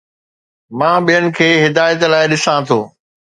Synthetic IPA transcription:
mãːɓijənɪ̆kʰeːɦɪd̪aːjət̪laːɪɗɪsãt̪ʰoː

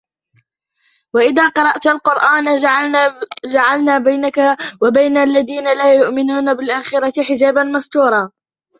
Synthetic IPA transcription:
waʔɪðaːqɑɾˤɑʔt̪alqʊɾʔaːn | d͡ʒaʕalnaːbajnakawabajnalːaðiːnalaːjʊʔmɪnuːnabɪlʔaːxɪɾˤɑt̪ɪħɪd͡ʒaːbanmɑsˤt̪uːɾˤɑː

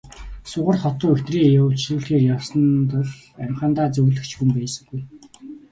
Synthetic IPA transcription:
sʊʁə̆rχɔt̪ʊːŋɵt̪riːŋjawt͡ɕɮuːɮxeːrjawsə̆nt̪ʊɮ | æmχaːnt̪aːt͡sɵɣɮɘ̆kt͡ɕxumpæːsə̆ŋɡuj

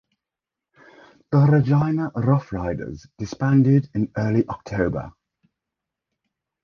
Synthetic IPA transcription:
ð̥əɹəd͡ʒãɪnəɹʌfɹaɪdə̰zd̥ɪspãndɪdɪ̃nɜːliʔɒk̚tʰəʊbə̰

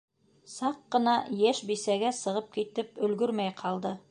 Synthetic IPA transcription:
sɑqːɤ̆nɑjæʃbisæɡæsɤ̆ʁɤp̚kit̪ɘp̚ɵ̆lɡɵɾmæjqʰɑlˠd̪ɤ

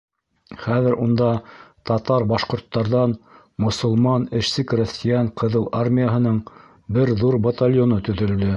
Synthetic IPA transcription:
χæðɘɾʔund̪ɑt̪ɑt̪ɑɾbɑʃqŏɾt̪ːɑɾðɑn | mŏsŏlˠmɑnɘ̆ʃsɘkrʊsʲt̪ʲɪjɑɴqʰɤ̆ðɤlˠarmʲijaɦɤ̆nɤɴ | bɘɾðuɾbɐt̪alʲjonɤt̪ɵ̆ðɵ̆ld̪ɘ

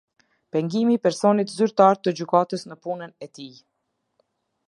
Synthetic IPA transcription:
pɛŋɡimipɛɾsɔnit̪zyɾt̪aɾt̪əd͡ʑykat̪əsnəpunənɛt̪i

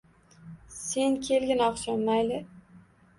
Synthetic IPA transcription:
se̞nkʲʰe̞lɡʲɪnɒqʃɒnmajlɪ

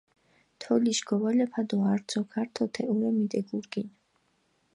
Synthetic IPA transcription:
t̪ʰɔliʃɡɔwalɛpʰad̪ɔaɾd̪sʰɔkʰaɾt̪ʰɔt̪ʰɛʔuɾɛmid̪ɛɡuɾɡin

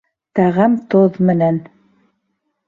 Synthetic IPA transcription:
t̪æʁæmt̪oðmɘ̆næn

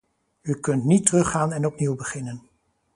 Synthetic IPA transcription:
ykɵntnitərɵχaːnɛnɔpniwbəχɪnən

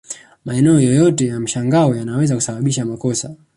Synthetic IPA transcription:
maɛnɛɔjɔjɔtɛjam̩ʃaŋɡaɔjanawɛzaku̥saɓaɓiʃamakɔsa

